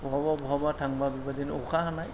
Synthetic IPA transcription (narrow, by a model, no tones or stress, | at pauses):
bɔɦababɔɦabatʰaŋbabibadinɔkʰahanaj